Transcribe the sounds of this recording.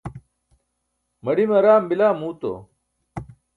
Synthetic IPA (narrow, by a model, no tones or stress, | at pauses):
mɐɽimɐɾaːmbilaːmuːt̪o̰